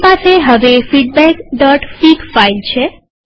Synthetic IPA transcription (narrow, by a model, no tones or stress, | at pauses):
paseɦəʋefiʈ̚bɛkɖɔʈfikfailt͡ʃʰe